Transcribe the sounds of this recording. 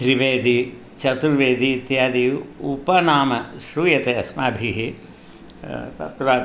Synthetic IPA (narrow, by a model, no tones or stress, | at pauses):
ʃɾiʋeːd̪i | t͡ʃɐt̪uɾʋeːd̪it̪jaːd̪ijupɐnaːmɐʃɾuːjɐt̪eɐsmaːbʱiɦi | t̪ɐ̰t̪ɾaː